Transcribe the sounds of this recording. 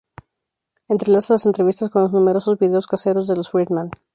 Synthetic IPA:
ent̪ɾe̞lasalase̞nt̪ɾe̞β̞ist̪asko̞nlo̞znũme̞ɾo̞so̞zβiðe̞oskase̞ɾo̞zðe̞losfɾit̪mãn

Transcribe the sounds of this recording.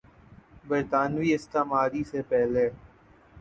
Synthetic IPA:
bəɾt̪aːnʋiːɪst̪aːmaːɾiːsepɛɦleː

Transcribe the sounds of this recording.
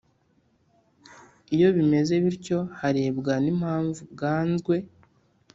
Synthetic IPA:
ijo̞βime̞ze̞βiɾco̞haɾe̞ːbɡanimhaːɱvub̚ɡaːnzɡwe̞

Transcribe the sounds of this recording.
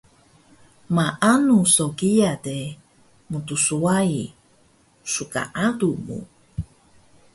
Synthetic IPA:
maʔanusoɡiade | mut̪usuai | suka̰ʔadumṵ

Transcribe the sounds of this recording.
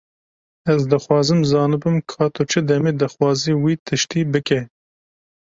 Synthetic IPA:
ɛzd̪ɨxwɑːzɨmzɑːnɨbɨmkʰɑːt̪ʰot͡ʃʰɨd̪ɛmeːd̪ɨxwɑːziːwiːt̪ʰɨʃt̪iːbɨkɛ

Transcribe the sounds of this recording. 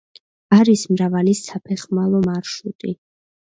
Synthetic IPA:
aɾismɾavalisapʰɛχmalˠɔmaɾʃut̪ʼi

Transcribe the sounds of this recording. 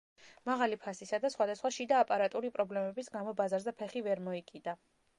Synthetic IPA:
maʁalipʰasisad̪asχwad̪asχwaʃid̪aːpʼaɾat̪ʼuɾipʼɾɔblɛmɛbisɡamɔbazaɾzɛpʰɛχivɛɾmɔikʼid̪a

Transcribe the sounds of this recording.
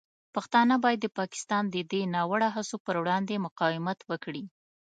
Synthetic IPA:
paxt̪ɑnəbɑjad̪ːəpɑkɪ̥st̪ɑnd̪əd̪enɑwəɽaɦasopəɾwɽɑnd̪emʊqɑwɪmat̪wəkɽi

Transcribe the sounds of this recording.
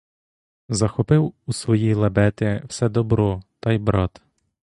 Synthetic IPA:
zɐxɔpɪwusʋɔjijlˠɐbɛt̪ɪwsɛd̪ɔbɾɔt̪ɑjbɾɑt̪

